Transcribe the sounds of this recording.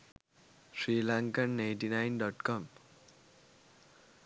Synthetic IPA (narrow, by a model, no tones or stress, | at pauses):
srilaŋkanːaj̃nʈinajnɖʌʈkʌm